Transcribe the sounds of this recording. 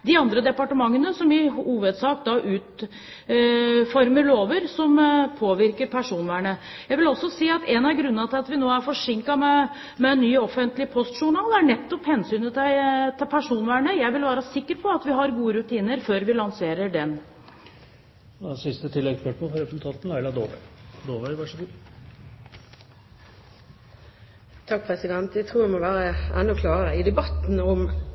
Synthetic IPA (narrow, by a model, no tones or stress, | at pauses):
d̪ɪɑnd̪ɾəd̪ɛpɑʈəmɑŋːənəsɔmɪhuːʋəd̪sɑːkd̪ɑʔʉːt̪ | fɔɾməɾloːʋəɾsɔmpʰoːʋɪɾkəɾpʰæʂuːnʋæːɳə | jæɪʋɪlɔsːɔsiːɑt̪ɛnɑɾɡɾʉnːənɑt̪ʰɪlɑt̪ʋɪnoːæɾfɔʂɪŋkɑmɛ | mɛɛnːyːɔfənt̪lɪpʰɔst̪ʂʊɳɑːlæɳɛt̪ːɔphɛnsyːnət̪t̪ʰɪlpʰæʂuːnʋæːɳəjæɪʋɪlʋæːɾəsɪkːəɾpʰɔɑt̪ʋɪɦɑɾɡuːəɾʉt̪ʰiːnəɾføːɾʋɪlɑŋseːɾəɖɛn | sɪst̪ət̪ʰɪlːɛɡspɛʈmɑfɔɾɛpəsl̩t̪ʰɑːt̪n̩æɪlɑd̪oːʋd̪oːʋæɪʋɑʂəɡuː | t̪ʰɑk̚pʰɾɛsɪd̪ɛnt̪jæt̪ʰʁuːʋɛɪmɔʋæːɾəɛnːʊkʰlɑːɾəɾəɪd̪ɛbɑt̪n̩ɔm